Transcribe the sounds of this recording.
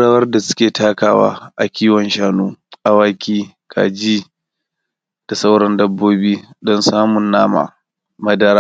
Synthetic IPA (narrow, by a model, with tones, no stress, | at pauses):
ɽa˨wɐ˦rda˨sʊ̥˦kʲeː˨taː˦kaː˦wa̰ː˦ʔa˨kʲiː˦wɔ˨nʃaː˦nuː˦ʔa˨waː˦kʲiː˦ | kʰa̰ː˨d͡ʒiː˦ | d̥a˨sa˦wɽɐ˦ndɐ˦bːoː˦biː˦dɔ˦nsaː˦mʊ˨nːaː˦ma̰ː˨ | mɐ˦dɐ˦ɾaː˦